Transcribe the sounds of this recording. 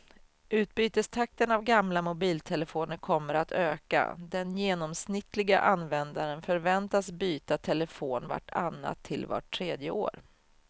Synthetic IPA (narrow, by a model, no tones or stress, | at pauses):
ʉ̟ːt̪̚byːt̪əst̪ʰak̚t̪ənavɡamlamʊbiːlt̪ʰɛləfoːnəɾkʰɔmːəɾat̪ʰøːka̰d̪ɛnjeːnɔmsnɪt̪ʰːlɪɡaʔanvɛnd̪aɾənfœɾvɛnt̪asbyːt̪at̪ʰɛləfoːnva̰ʈʰːa̰nːa̰t̪ʰːɪlva̰ʈʰːɾeːd̪jəoːɾ